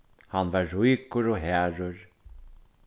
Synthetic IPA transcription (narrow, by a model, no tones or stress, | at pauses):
hanvaɹːujkʊɾoɦɛːɹʊɹ